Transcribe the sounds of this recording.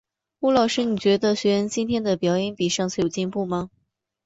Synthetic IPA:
u˥lɑ˥˩ʊʂɻ̩˥ni˨˩t͡ɕɥɛ˧˥d̪ə˧ɕɥɛ˧˥ɻə˧˥nt͡ɕi˥nt̪ʰjɛ˥nd̪ə˨pjɑ˧˥ʊjɛ˧˥npi˨˩ʂɑ˥˧ŋt͡s̩ʰ˥˩jo˨˩ʊt͡ɕi˥˧npu˥˩mɐ˧

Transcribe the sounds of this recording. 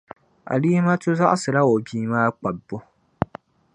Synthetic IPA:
ʔa̰˨liː˦ma˦tʊ˦za˦ʔa˦sɨ˨ɾa˦o˨biː˦maː˦k͡pa˨bːo˦

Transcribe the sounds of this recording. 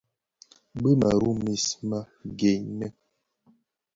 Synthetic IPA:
bə˦ma˨ɾu˦mi˦sma˦ | ɡe˨ɲnɛ˦

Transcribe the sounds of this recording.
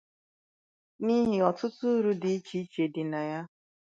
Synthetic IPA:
ni˦ɦɪ˨ɔ˨tʊ˦tʊ˦ɾu˦dɪ˨i˦t͡ʃi˦t͡ʃe˨dɪ˨na˨ja˦

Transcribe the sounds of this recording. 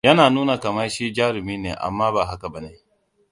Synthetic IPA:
jɐ˦naː˨nuː˦na˨ka˨ma˦ʃiː˦d͡ʒaː˦ɾɪ˨miː˦nḛː˨ʔa̰˨mːaː˦baː˨ɦa˦ka˨ba˨ne˦˨

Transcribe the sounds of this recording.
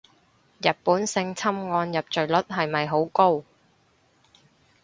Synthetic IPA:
jɐ˨˩t̚puː˨˥nsɪ˧ŋt͡sʰɐ˥mŋɔː˧njɐ˨p̚t͡ʃɵ˨˩ɥlɵ˦˥t̚ɦɐ˨jmɐ˨jɦo˨˥wko˥w

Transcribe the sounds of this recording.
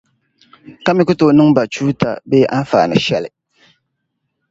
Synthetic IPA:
ka˦mi˦kʊ˦to˨nɨ˦ŋba˨t͡ʃuː˦ta̰˨be˦ʔa˦n˦fa̰ː˨nɨ̰˨ʃɛ˦lɪ˨

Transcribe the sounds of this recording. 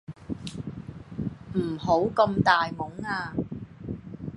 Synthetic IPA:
m̩˨˩ho˨˥wkɐ˧mt̪aː˨jmʊ˨˥ŋaː˧

